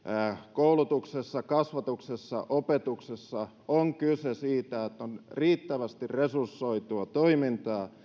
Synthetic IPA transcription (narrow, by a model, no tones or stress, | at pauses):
koulut̪uksesːɑkɑsʋɑt̪uksesːɑ̰ʔopet̪uksesːɑ | oŋkysesiːt̪æet̪ːonriːt̪ːæʋæst̪irresursːoit̪uɑt̪oimint̪ɑː